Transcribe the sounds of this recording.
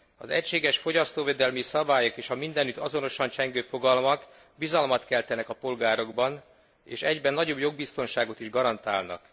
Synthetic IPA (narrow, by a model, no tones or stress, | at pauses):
ɒzɛ̰cʃeːɡɛʃfo̞ɟɒst̪oːveːd̪ɛlmisɒbaːjokeːʃɒmind̪ɛnyt̪ɒzo̞no̞ʃɒnt͡ʃɛŋɡøːfo̞ɡɒlmɒk | bizɒlmɒt̪kɛlt̪ɛnɛkɒpo̞lɡaːɾo̞ɡbɒn | ḛːʃɛɟbɛnːɒɟo̞bjo̞ɡ̚bist̪o̞nʃaːɡo̞t̪iʒɡɒɾɒnt̪aːlnɒ̰k